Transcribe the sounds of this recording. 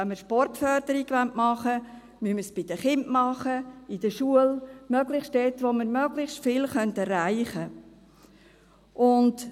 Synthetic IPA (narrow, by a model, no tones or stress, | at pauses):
ɛnməɾʃpɔrtfœrd̪̥əɾiɡʋantmɑχə | myməsb̥ɪd̥əχɪntmɑχəɪdəʃuəlmœɡlɪχʃtd̥eːtʋoməɾmœɡ̥lɪχstfɪlχœntɛrːaɪχə | ʔʊnt